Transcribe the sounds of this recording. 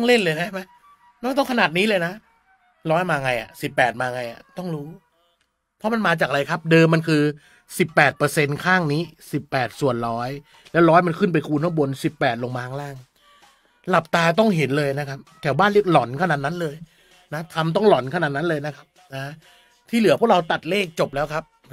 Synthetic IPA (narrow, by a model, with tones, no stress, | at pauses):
ŋle˥˩nlɤː˧jna˦˥ma˦˥ | nɔː˥˩ŋt̪ɔ˥˩ŋkʰa˧naː˨˩t̪̚niː˦˥lɤː˧jna˦˥ | ɾɔː˦˥jmaː˧ŋa˧jʔa̰˨˩si˨˩pːɛː˨˩t̪̚maː˧ŋa˧jʔa̰˨˩t̪ɔ˥˩ŋɾuː˦˥ | pʰɔ˦˥ma˧nmaː˧t͡ɕaː˨˩k̚ɾa˧jkʰa˦˥p̚dɤː˧mːa˧nkʰɯː˧ | si˨˩pːɛː˨˩t̪̚pɤː˧se˧nkʰaː˥˩ŋniː˦˥si˨˩pːɛː˨˩t̪̚su˨˩ənɾɔː˦˥j | lɛː˦˥wɾɔː˦˥jma˧nkʰɯ˥˩np̬a˧jkʰuː˧nʰɔ˥˩bo˧nsi˨˩pːɛː˨˩t̪̚lo˧ŋmaː˧tʰa˥ŋlaː˥˩ŋ | la˨˩p̚t̪aː˧t̪̬ɔ˥˩ŋɦe˩˦nlɤː˧jna˦˥kʰa˦˥p̚t̪ʰɛː˩˦baː˥˩nli˥˩ək̚lɔ˩˦nkʰa˧˩naː˨˩t̪̚na˦˥nlɤː˧j | na˦˥t̪ʰa˧mt̪̬ɔ˥˩ŋlɔ˩˦nkʰa˧˩naː˨˩na˦˥nlɤː˧jna˦˥kʰa˦˥p̚naː˦ | t̪ʰiː˥˩lɯ˨˩˦pʰu˥˩ək̚ɾa˧wt̪a˨˩t̪̚leː˥˩k̚t͡ɕo˨˩p̚lɛː˦˥wkʰa˦˥p̚